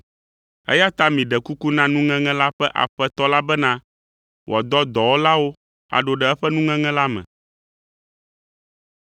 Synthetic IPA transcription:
ɛ̰˦ja˦t̪a˦mĩ˨ɖɛ˨ku˦ku˦nã˦nũ˦ŋɛ̃˦ŋɛ̃˦la˦ɸɛ˦ʔa̰˨ɸɛ˦t̪ɔ˦la˦bɛ˦nã˦ | wʔɔ˨d̪ɔ˦d̪ɔ˨wo˦la˦wo˦ | a̰˨ɖo˨ɖɛ˨ɛ˦ɸɛ˦nũ˦ŋɛ̃˦ŋɛ̃˦la˦mɛ̰̃˨

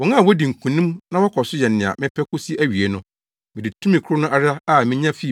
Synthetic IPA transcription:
wɔ˨˦nã˦˨wɔ˦di˨ŋ̩˨kʰũ˨nĩ˦mnã˦wɔ˦kʰɔ˨sʊ˦jɛ˨nː˨ɪ̃˨a̰˨mɪ̃˦pʰɛ˦kʊ˦si˦ʔæ˦ɥi˨e˨nʊ̃˦ | mɪ̃˨di˨tʰũ˦mɪ̃˨kʰʊ˦ɾʊ˦nʊ̃˦ʔa˨ɾa˦a˦˨mɪ̃˦ɲã˦fi˦˨

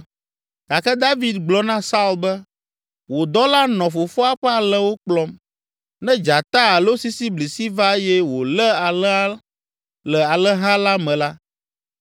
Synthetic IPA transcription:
ɡ̥a˨kɛ˦d̪a˦vi˦d̪ɡ͡blɔ˦nã˦sa˦u˦lbɛ˦ | wo˨d̪ɔ˦la˦nɔ̃˨fo˨fɔ˦a˦ɸɛ˦a˨lɛ˦wo˦k͡plɔ˦m | nɛ̃˦d͡ʒa˨t̪a˦a˨lo˦si˦si˦bli˨si˦va˦jɛ˦wo˨lɛ˦a˨lɛ˦a˦ | lɛ˨a˨lɛ˦ɦã˦la˦mɛ̃˨la˦

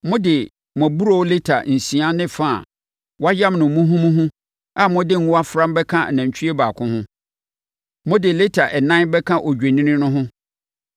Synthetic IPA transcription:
mʊ̃˦dɪ˨ | m˨ɔ̃˨bu˦ɾo˦wle˦tʰa̰˨n̩˨sĩ˨a˦nɪ̃˦fa̰˦˨ | wɔ˦a˦jã˦mnʊ̃˨m̩˨mũ˦ɦũ˦mũ˦ɦʊ̃˦ | a˨mʊ̃˦dɪ˦ŋ˦a˦fɾã˦mbɛ˦kʰã˦˨nã˨ɲ˨t͡ɕʰᶣi˦e˦baː˨kʰʊ̃˦hʊ̃˦ | mʊ̃˦dɪ˨le˦tʰa˨ʔɛ˨nã˦nbɛ˦kʰã˦ʔo˨d͡ʑᶣe˨nĩ˦nɪ̃˦nʊ̃˦ɦʊ̃˦

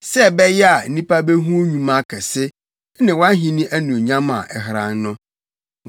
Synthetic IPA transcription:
sɛ˦bɛ˦jɛ˦a˨˦nĩ˦pa˦be˦ɦũ˦o˦ɲũ˦mã˦kʰɛ˨sɪ˦ | nɪ̃˨wã˦ɦĩ˨nĩ˦ʔæ˦nũ˨ɲã˦mã̰˨ʔɛ̰˨ɦɾã̰˨n˦nʊ̃˦

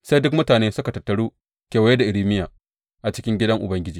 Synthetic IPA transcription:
sa˦jdʊ˦kmʊ˦taː˨neː˦sʊ˦ka˨tɐ˨tːɐ˨ɽuː˦ | kʲeː˨wɐ˨˦je˦da˨ʔɪ˨ɽiː˦mɪ˦jaː˨ | ʔa˨t͡ʃɪ̥˦kʲɪ˦ŋɡʲɪ˦dɐ˦ŋʔʊ˨bɐ˦ŋɡʲɪ˦d͡ʒiː˨

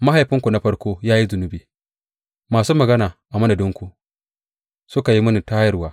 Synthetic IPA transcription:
ma˦ɦa˨jɸɪ˦ŋkʷu˨na˦ɸɐ˦ɽkʷoː˦jaː˦ji˦zʊ˨nʊ˦biː˨ | maː˨suː˦mɐ˨ɡɐ˦naː˨ʔa˨mɐ˦na˨dʊ˦ŋkʷu˨ | sʊ˦ka˨ji˦mʊ˦ni˨taː˦jɐ˦rwaː˨˦

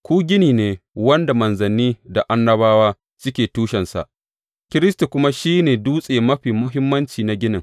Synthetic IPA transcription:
kʷuː˦ɡʲɪ˦niː˨neː˨wɐ˦nda˨mɐ˨nzɐ˨niː˦da˨ʔa˦nːɐ˦baː˦waː˦ | sɪ˦kʲeː˨tuː˦ʃɛ˨nsa̰˨ʔ | kʲɪ˦ɾɪ˦stu˨kʷʊ˦ma˦ʃiː˦neː˨duː˦sʼeː˨mɐ˦ɸiː˨mʊ˦ɦɪ˦mːɐ˦nt͡ʃiː˨na˨ɡʲɪ˦nɪ˨ŋ

